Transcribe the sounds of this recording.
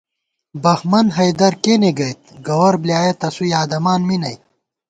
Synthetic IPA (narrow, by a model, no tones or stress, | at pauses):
bɐxmɐnɦɐjd̪ɐɾkeːneɡɐjt̪̚ɡɐwɐɾbljaːjet̪ɐsujaːd̪ɐmaːnminɐj